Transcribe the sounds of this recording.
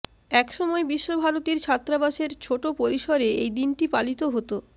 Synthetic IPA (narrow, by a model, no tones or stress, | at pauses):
ɛkʃɔmɔebiʃːobʱaɾot̪iɾt͡ɕʰat̪ːɾabaʃeɾt͡ɕʰoʈopoɾiʃoɾeejd̪inʈipalit̪oɦot̪o